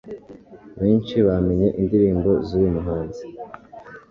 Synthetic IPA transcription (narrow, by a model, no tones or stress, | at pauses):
βe̞ːnt͡ʃiβame̞ɲe̞ʔindiɾiːmbo̞ziɾimuɦaːnzi̥